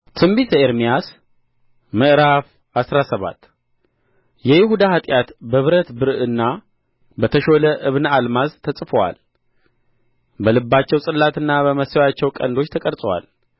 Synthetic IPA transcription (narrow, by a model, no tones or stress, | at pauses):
t̪ʰɨmbisəeɾmijas | mɨʔɾaf | asɾasəβa̰t̪ː | jɛjɪhud̪ahat̪ʼjat̪bəβɨɾət̪bɨɾɨnːa | bət̪ʰəʃo̞ləʔɨβnalmazt̪ʰəsʼɨfəwa̰l | bəlɨbːat͡ʃːɛwsʼɨlːat̪ɨnːabəməsɛwjat͡ʃːɛwkʼə̰nd̪o̞t͡ʃːt̪ʰəkʼəɾsʼəwa̰l